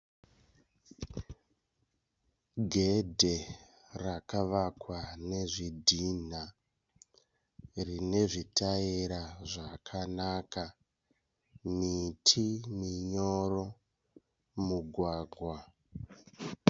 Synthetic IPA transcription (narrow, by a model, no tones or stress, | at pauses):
ɡʱedʱe | rakaʋakwane̞ʐidʱina | rine̞ʐitaiɾaʐakʰanaːka | mitʰimiɲo̞ɾo̞ | muɡʱwaːɡʱwa